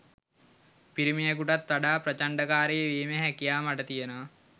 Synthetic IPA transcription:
piɾimijakuʈat̪ːaɖaːpɾɐt͡ʃaɳɖəkaːɾejeʋiːmeɦækijaːmaʈət̪ijenoʋa

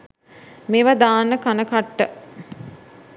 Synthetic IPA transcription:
meʋad̪aːnːəkanəkaʈːə

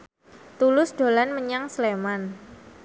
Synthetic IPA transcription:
t̪ulʊsd̥o̤lanməɲaŋsleman

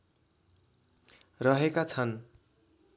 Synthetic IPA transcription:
rʌɦekat͡sʰʌn

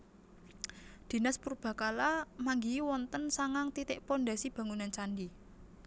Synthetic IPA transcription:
d̪̥i̤naspurb̥a̤kalamaŋɡiwɔnt̪ənsaŋaŋt̪it̪ɪʔpɔnɖasib̥ä̤ŋunant͡ʃanɖi

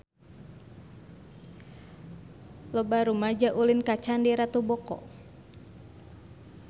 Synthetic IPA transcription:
lɔbaɾumad͡ʒaʔulinkat͡ʃandiɾat̪ubɔkɔ̰

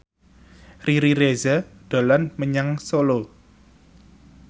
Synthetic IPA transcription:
riɾiɾezaɖ̪̥o̤lanməɲaŋsolo

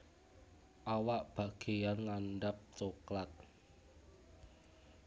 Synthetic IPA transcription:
ʔawaʔb̥a̤ɡ̥e̤janŋanɖap̚t͡ʃoklat̪̚

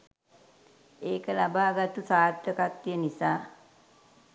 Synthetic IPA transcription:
eːkəlabaːɡat̪usaːd̪əkat̪ːijənisaː

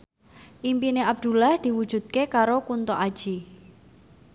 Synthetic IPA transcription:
ʔimpineab̚d̪̥ṳlahd̪̥i̤wud̥ʒ̥ṳd̪̥̚kekaɾokunt̪ɔʔad̥ʒ̥i

